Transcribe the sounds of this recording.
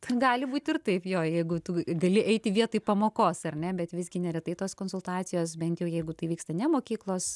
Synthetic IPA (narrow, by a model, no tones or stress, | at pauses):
t̪ɐɡɑːlʲɪbuːt̪ʲɪrt̪ɐɪpjoːjɛɪɡʊt̪ʊɡɐlʲɪʔɛɪt̪ʲɪʋʲiɛt̪oɪpɐmoːkoːsɐrʲnʲɛbʲɛt̪ʋʲɪzɡʲɪnʲɛɾʲɛt̪ɐɪt̪oːskoːnsʊlˠt̪ɑːt̪t͡sʲɪjoːsbʲɛnt̪jɛʊjɛɪɡʊt̪ɐɪʋʲiːkst̪ɐnʲɛmoːkʲiːklˠoːs